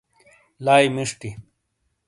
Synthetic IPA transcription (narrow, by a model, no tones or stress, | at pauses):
laːjmiʂʈi